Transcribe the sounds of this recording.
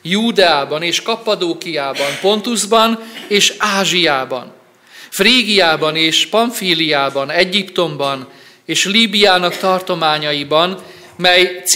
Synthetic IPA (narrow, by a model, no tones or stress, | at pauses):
juːd̪ɛaːbɒneːʃkɒpɒd̪oːkijaːbɒmpo̞nt̪uzbɒneːʃaːʒijaːbɒ̰n | friːɡijaːbɒneːʃpɒɱfiːlijaːbɒnɛɟːipt̪o̞mbɒn | eːʃliːbijaːnɒkt̪ɒrt̪o̞maːɲɒjibɒn | mɛjt̪s